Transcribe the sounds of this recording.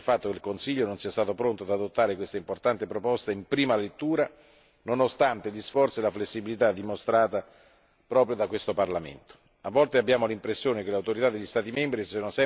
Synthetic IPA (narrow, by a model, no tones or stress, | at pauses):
lfat̪ːokeilkonsiʎːononsiːast̪aːt̪opɾont̪oad̪ad̪ot̪ːaːɾekwest̪aimport̪ant̪epɾopɔst̪aimpɾiːmalet̪ːuːɾa | nonost̪ant̪eʎisfɔrt̪sielaflesːibilit̪ad̪ːimost̪ɾaːt̪a | pɾɔːpɾjod̪akwest̪oparlamḛnt̪o̥ | avːɔlt̪eabːjaːmolimpɾesːjoːnekeleawt̪oɾit̪ad̪ːelʎːist̪aːt̪imembɾisonosɛ